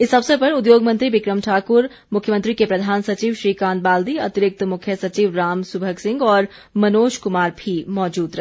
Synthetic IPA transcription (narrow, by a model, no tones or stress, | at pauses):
ɪsːɐbsepɐɾʊd̪joːɡmɐ̃nt̪ɾibɪkɾəmʈʰaːkʊɾ | mʊkʰjəmə̃nt̪ɾikepɾɐd̪ʱaːnsɐt͡ʃiːʋʃɾiːkaːnt̪baːld̪iɐt̪ɪɾɪk̚t̪mʊkʰjəsɐt͡ʃiːʋɾaːmsʊbʱəksɪ̃ŋɡɔːɾ | mɐnoːʃkʊmaːɾbʱimɔːd͡ʒuːd̪ɾɐɦe